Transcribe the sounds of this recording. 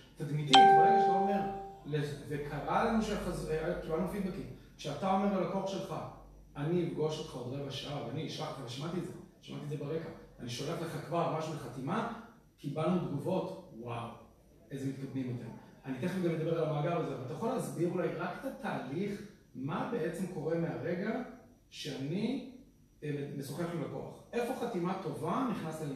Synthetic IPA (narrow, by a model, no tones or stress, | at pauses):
t̪ad̪mid̪itʁeɡaʃzaome̞ʁlezekʰaʁalmiʃeaχazeakibalnufid̪̚bekim | kʃeat̪ao̞me̞ʁalako̞χʃe̞lχa | aniːfɡo̞ʃot̪χaodʁevaʃaaveaniiʃlaχt̪iavalʃamat̪itzeʃama̰t̪iezebeʁekaaniʃoleχleχakvaʁmaʃuleχat̪ima | kibalnud̪ɡuvo̞t̪waw | ezemit̪̚kad̪mimot̪emanit̪eχiɡamled̪ɐbe̞ʁalamaːɡaʁbelzeavalt̪ajaχo̞laːzbiʁulajʁaket̪at̪aːliχ | mabe̞ʔet͡se̞mko̞ʁe̞meaʁe̞ɡa | ʃeani | emesoχeaχlulakoa̰χʔe̞fo̞χat̪imat̪o̞vaniχnaslil